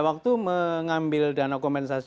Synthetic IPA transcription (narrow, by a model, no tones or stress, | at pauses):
wak̚t̪uməŋambɪldanakɔmpɛnsas